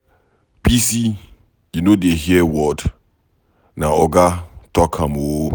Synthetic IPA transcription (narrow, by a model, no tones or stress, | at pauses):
pisi | junodeɦiɛwɔd | naɔɡatɔkʰãmo